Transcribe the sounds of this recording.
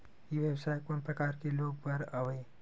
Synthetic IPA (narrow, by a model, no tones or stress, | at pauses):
jeʋjəbsaːjkoːnpɾɐkaːɾkeloːɡ̚pɐɾɐʋeː